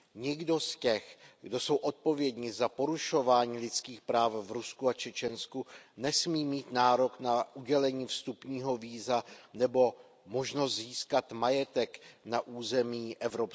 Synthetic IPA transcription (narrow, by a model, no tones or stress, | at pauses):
ɲɪɡdo̞scɛxɡdo̞so̞wʔo̞t̪̚po̞vjɛdɲɪzapo̞ɾuʃo̞vaːɲiːlɪt͡skiːxpɾaːfvɾuskuat͡ʃɛt͡ʃɛnskunɛsmiːmiːt̪naːɾo̞knaʔuɟɛlɛɲiːfst̪upɲiːɦo̞viːzanɛbo̞ | mo̞ʒnost̪ziːskat̪majɛt̪ɛknaʔuːzɛmiːʔɛvɾop